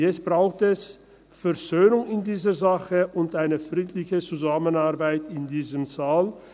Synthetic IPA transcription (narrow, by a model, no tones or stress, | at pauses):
jɛt͡sst̚b̥ʁaʊxtɛs | fɛɐʁzøːnʊŋɪndiːzəzaχəʔʊntaɪnəfʁiːtlɪçət͡suzaːmənaʁbaɪtɪndiːzəmzaːl